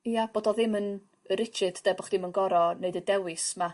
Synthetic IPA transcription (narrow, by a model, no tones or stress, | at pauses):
ijab̥oːdɔðɪmən | əɾɪt͡ʃʰɨd̥d̥ɛbɔχd̥ɪmənɡɔɾɔneɨdədɛwɪsma